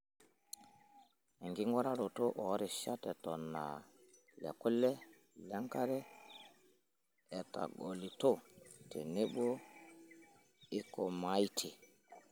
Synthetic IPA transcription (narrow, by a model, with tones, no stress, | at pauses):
ɛ˨ŋɡi˦ŋɡɔ˦ɾa˦ɾo˨to˦ʔɔ˨˦ɾi˨ʃa˦tɛ˨tɔ˨na̰˨ | lɛ̰˨ku˦lɛ˦ | lɛ˦ŋka˦ɾɛ˦ | ɛ˨ta̰˨ɡo˨li˨to˦˨tɛ̰˨nɪ˦ɓo˦ | ɪ˦kɔ˨ma˨˦i˦tʰi˨